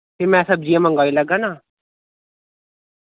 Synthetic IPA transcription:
teːmɛ̃ːsəb̚d͡ʒiãːmə̃ŋɡaːiləɡaːnaː

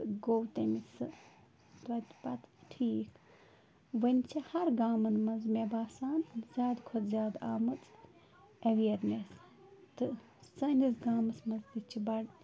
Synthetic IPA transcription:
ɡowt̪ɐmisɨ | t̪ʋɐt̪ʲpɐt̪ʈʰiːkʰ | ʋɐnʲt͡ʃʰihɐɾɡaːmɐnmɐnzmʲebaːsaːnzʲjaːd̪kʰodzʲaːd̪aːmɨt͡s | ɐʋijɐɾmʲes | t̪ɨ | sɐnʲisɡaːmɨsmɐnzd̪it͡ʃʰibɐɽ

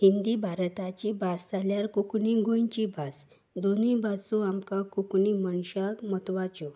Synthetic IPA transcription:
ɦind̪ibʱaɾt̪at͡ɕibʱasd͡zaljaɾkukɳĩɡʱojt͡ɕibʱas | d̪onibʱasuamkãkukɳiməɳɕakmət̪ʋat͡ɕɔ

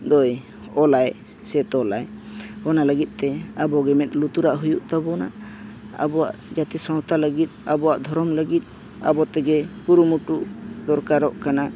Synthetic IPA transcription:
d̪ɔj | ɔlaj | sɛt̪ɔlajɔnaləɡit̪̚ˀt̪ɛabɔɡɛmɛt̪̚ˀlut̪uɾaʔɦujuʔt̪abɔna̰ | a̰bɔwa̰ʔd͡ʒat̪ɛsɔ̃wt̪aləɡit̪̚abɔwaʔd̪ʱɔɾɔmləɡit̪̚ | a̰bɔt̪ɛɡɛkuɾumuʈuʔd̪ɔɾkaɾɔʔkana

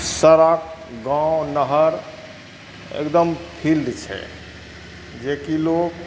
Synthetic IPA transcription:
səɾak̚ɡãonəɦəɾ | ḛkd̪əmpʰild̪t͡ʃʰɛ̰ | d͡ʒekilok

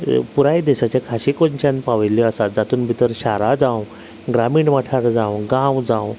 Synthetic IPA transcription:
puɾajd̪ɛɕat͡ɕakʰaɕikoɲt͡ɕãnpaʋjlːiəsat̪̚d͡zat̪uːnbʱit̪əɾɕaɾad͡zãw | ɡɾamiːɳʋaʈʰaɾd͡zãwɡãwd͡zãw

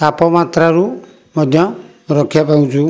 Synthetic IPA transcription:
tapɔmat̪ɾaɾu | mɔd̪ʱjɔ | ɾɔkʰjapaw̃d͡ʒu

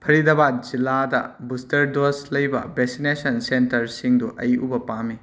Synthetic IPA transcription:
pʰɐɾidɐbad͡ʒiladɐ̰bustɐɾdoslɐjbɐ̰besinesɐnsentɐɾsiŋduʔɐjubɐpami

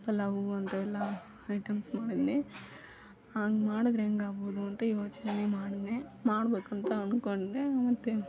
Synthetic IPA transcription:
pɐlɐʋuɐnt̪ɐɛlːɐ | ɐjʈɐmsmaːɽid̪ni | aːŋɡemaːɽid̪ɾeŋɡaːboːd̪uɐnt̪ɐjoːt͡ʃɐnɐnemaːɽinemaːɽbeːkɐnt̪ɐɐnkoɳɖemɐt̪ːe

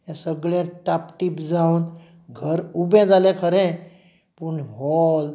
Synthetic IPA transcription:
jãsəɡɭãʈapʈipd͡zaun | ɡʱəɾubɛ̃d͡zalɛ̃kʰəɾɛ̃ | pəɳɦɔl

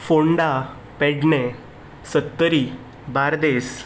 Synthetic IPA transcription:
foɳɖa | pɛɖne | sət̪ːəɾi | baɾd̪es

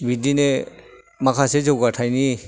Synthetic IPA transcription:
bidine | makʰasezɔwɡatʰajni

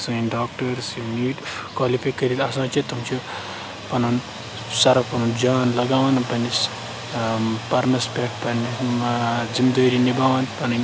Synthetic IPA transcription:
sunɖaːk̚ʈɐɾsiniʈkwaːlifajkɐɾilɐsãːt͡ʃʰit̪umt͡ʃʰu | pɐnun | sɐɾɐpɐnund͡ʒaːnlɐɡaːʋanɐpɐnis | pɐɾmɐspʲeʈpɐni | zimd̪oːɾinibaːʋant̪pɐnɐn

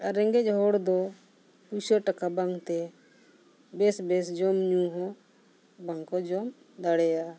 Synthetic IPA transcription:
aɾɛŋɡɛt͡ʃɦɔɽd̪ɔ | pusɔʈakabaŋɡt̪ɛ | bɛsbɛsd͡ʒɔmɲũɦɔ̃ | baŋkɔd͡ʒɔm | d̪aɽɛja

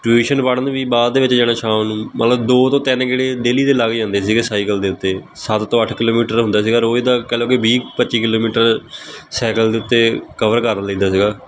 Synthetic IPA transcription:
ʈueːʃənpaːɽənd̪ːbiːbaːd̪d̪eːʋɪt͡ʃd͡ʒɛːɽ̃ãːʃaːmnũːmə̰t̪ləbd̪oːt̪õːt̪ɪnkeːɽeːd̪eːliːt̪eːlaːɡd͡ʒãːnd̪eːsiːɡeːsaːikəld̪eːʊt̪ːeː | sət̪t̪õːəʈʰkɪloːmiːʈəɾɦʊnd̪aːsiːɡaːɾoːid̪aːkɛːloːkɪbiːkpətːʃiːkɪloːmiːʈəɾsɛːkəld̪eːʊt̪ːeːkəʋəɾkəɾlẽːnd̪aːsiːɡaː

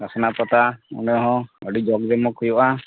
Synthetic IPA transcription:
asɔnapɔt̪aṵnɔɦɔ̃ɔɖid͡ʒɔɡdɛmɔkujɔʔa

